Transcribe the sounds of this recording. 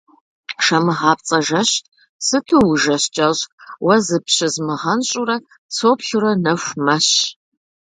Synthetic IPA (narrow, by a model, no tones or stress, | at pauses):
ʂɐmɨʁɑːpt͡sʼɐʒɐɕt | sɨtʰuwʒɐɕt͡ʃʼɐɕʼwɐzɨpɕɪzmɨʁɐnɕʼʊɾɐ | t͡sʰopɬurɐnɐɕʷmɐɕ